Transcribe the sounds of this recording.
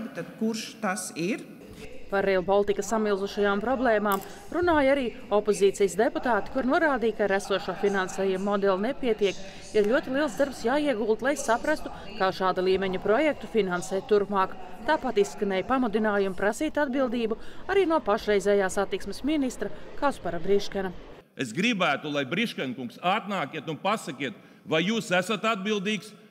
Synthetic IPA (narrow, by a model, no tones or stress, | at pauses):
t̪ad̪kuɾʃt̪asiɾ | paɾɛlˠbɔlˠt̪ikɐsːamilˠzuʃajaːmpɾɔblˠɛːmaːm | ɾunaːjaɾiː | ɔpoziːt̪sijsd̪eput̪aːt̪i̥kuɾnuɔɾaːd̪iːkaɾæsuɔʃuɔfinansɛːjumːɔd̪ɛlˠnɛpiɛt̪iɛk | iɾʎʲuɔt̪ilˠiɛlˠsd̪aɾpsjaːiɛɡuːlˠt̪lˠajsapɾast̪u̥kaːʃaːd̪alˠiːmɛɲupɾɔjɛk̚t̪ufinansɛːjt̪uɾpmaːkt̪aːpat̪isskanɛːjpamud̪inaːjumpɾasiːt̪ʲad̪bilˠd̪iːbuaɾiːnuɔpaʃɾɛjzɛːjaːsat̪ːiksmesminist̪ɾɐkaspaɾabɾiʃkana | esɡɾibæːt̪ulˠajbɾiʃkɛnʲkuŋksat̪naːkʲiɛt̪unpasɐkʲiɛt̪ | vajjuːsæsat̪ad̪̚bilˠd̪iːks